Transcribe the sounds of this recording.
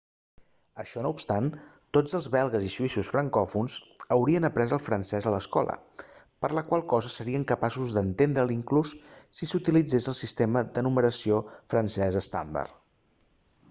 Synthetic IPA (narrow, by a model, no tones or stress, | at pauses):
əʃɔnoupst̪ant̪od͡zəlˠzβɛlˠɣəziʒuisusfɾəŋkɔfunzəwɾiənəpɾɛzəlˠfɾənsɛzələskɔ̰lˠə̰ | pəɾləkwalˠkɔzəsəɾiəŋkəpasuzðənt̪end̪ɾəlˠiŋklusːisut̪ilid͡zesəlˠsist̪eməd̪ənuməɾəsiofɾənsɛzəst̪a̰nd̪ə̰r